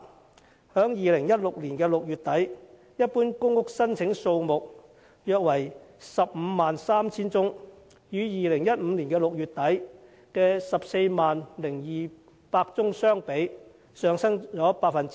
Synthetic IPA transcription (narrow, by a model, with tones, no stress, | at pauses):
hœː˨˥ŋjiː˨˧lɪ˨˩ŋjɐ˥t̚lʊ˨k̚liː˨˩nkɛː˧lʊ˨k̚jyː˨t̪ɐ˨˥j | jɐ˥t̚puː˥nkʊ˥ŋʊ˥k̚sɐ˥nt͡sʰɪ˨˥ŋso˧wmʊ˨k̚ | jœː˧k̚wɐ˨˩jsɐ˨p̚m̩ː˨˧˦maː˨nsaː˥mt͡sʰiː˥nt͡sʊ˥ŋ | jyː˨˥jiː˨lɪ˨˩ŋjɐ˥t̚m̩ː˨˧liː˨˩nkɛː˧lʊ˨k̚jyː˨t̚t̪ːɐ˨˥j | kɛː˧sɐ˨p̚se˧jmaː˨nlɪ˨˩ŋjiː˨ | paː˧k̚t͡sʊ˥ŋsœː˥ŋpe˨˥j | sœː˨˧ŋsɐ˥ŋt͡sɔː˨˥paː˧k̚fɐ˨n